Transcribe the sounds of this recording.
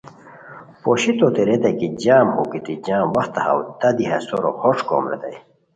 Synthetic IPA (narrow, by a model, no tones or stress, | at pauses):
poɕit̪ot̪eɾed̪ɐjkid͡ʑaːmhokit̪id͡ʑãːmwɐxt̪ɐha̰wt̪ɐd̪iɦa̰soɾo̰hoʈ͡ʂko̰ːmɾḛd̪ɐ̰j